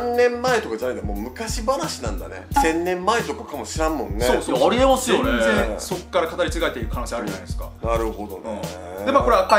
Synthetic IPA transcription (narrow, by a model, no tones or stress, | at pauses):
nːẽ̞mːae̞t̪o̞kad͡ʑanaind̪amoːmɯ̟kaɕibanaɕinã̰nd̪a̰nesẽ̞nːẽ̞mːae̞t̪o̞kakamo̞ɕiɾãmːõ̞nːseoːsoaɾʲiemasɨjoneeso̞kːaɾakat̪aɾʲit͡siɡaet̪eiɾɯ̟kʰanoɕiaɾɯ̟anasɨ̥ka̰naɾɯ̟ho̞d̪o̞nḛ̃ | d̪e̞makoɾeaka